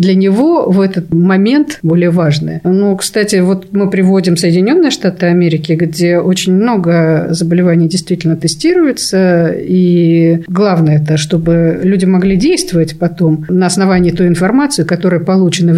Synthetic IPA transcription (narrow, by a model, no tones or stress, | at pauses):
d̪lʲənʲɪvo̞vɛt̪ət̪mɐmʲe̞nt̪bo̞lʲɪjəvaʐnɨ̰jnukst̪atʲɪvo̞t̪mɨpɾʲɪvo̞dʲɪmsəɪdʲɪnʲo̞nːɨjəʂt̪at̪ɨɐmʲeɾʲɪkʲɪɡdʲeʔot͡ɕɪnʲmno̞ɡəzəbəlʲɪvanʲɪjdʲɪjst̪vʲitʲɪlʲnət̪ɨsʲtʲiɾʊjɪt̪səi | ɡlˠavnəjəɛt̪əʂt̪o̞bɨlʲudʲɪmɐɡlʲidʲejst̪vəvətʲpɐt̪o̞mnəɐsnɐvanʲɪːt̪uɪnfɐrmat̪sɨjʊkɐt̪oɾəjəpɐlˠut͡ɕɪnə